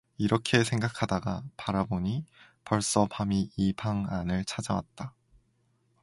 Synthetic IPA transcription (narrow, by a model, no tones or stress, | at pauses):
iɾʌkʰe̞sʰe̞ŋɡakʰadaɡapaɾaboɲi | pʌɭs͈ʌpamiibʰaŋanɯɭt͡ɕʰad͡ʑawa̰t̚t͈a